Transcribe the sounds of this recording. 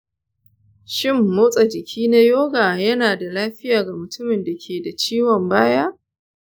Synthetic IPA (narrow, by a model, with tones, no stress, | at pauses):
ʃɪ˦˨mːoː˦sʼa˨d͡ʒɪ˨kʲʰiː˦na˦joː˦ɡaː˨jɐ˦naː˨da˨laː˦ɸɪ˦jaː˨ɡa˨mʊ˨tʊ˦mɪ˨nda˨kʲʰeː˨da˨t͡ʃiː˦wɔ˨mbaː˦ja˦ʔ